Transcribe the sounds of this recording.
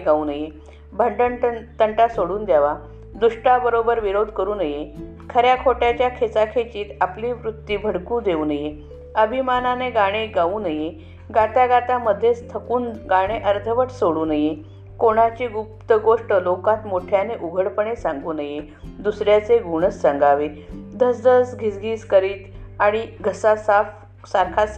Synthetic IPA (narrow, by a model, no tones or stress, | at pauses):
ɡauːnəje | bʱəɳɖəɳt̪əɳʈasoɽuːnd̪jaʋa | d̪uʂʈabəɾobəɾʋiɾod̪ʱkəɾuːnəje | kʰəɾjakʰoʈjat͡ɕjakʰet͡sakʰet͡ɕiːt̪apliːʋɾut̪ːiːbʱəɽkũːd̪euːnəje | əbʱimananeɡaɽ̃eɡauːnəje | ɡat̪aɡat̪aməd̪ʱːjest̪ʰəkuːnɡaɽ̃eʔəɾt̪ʰəʋəʈsoɽuːnəje | koɽ̃at͡ɕeɡupt̪əɡoʂʈəlokat̪moʈʰjaneʔuɡʱəɽpəɳesãŋɡuːnəje | d̪usɾjat͡seɡuɽ̃əsːəŋɡaʋed̪ʱəsd̪əsɡʱisɡʱiːskəɾiːt̪aɽ̃iɡʱəsasaf | saɾkʰas